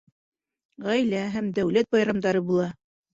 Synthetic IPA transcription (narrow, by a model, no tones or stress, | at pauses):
ʁæjlæɦæmd̪æwlæt̪̚bɑjɾɑmd̪ɑɾɤbulˠɑ